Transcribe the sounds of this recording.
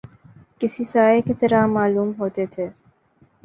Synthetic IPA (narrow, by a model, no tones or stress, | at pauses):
kɪsisaːekit̪ɐɾamaːluːmɦoːt̪et̪ʰeː